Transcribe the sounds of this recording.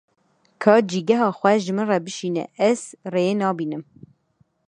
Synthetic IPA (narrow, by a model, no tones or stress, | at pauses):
kʰɑːd͡ʒiːɡɛɦɑːxʷɛʒɨmɨnrɛbɨʃiːnɛ̰ʔɛz̥rejeːnɑːbiːnɨm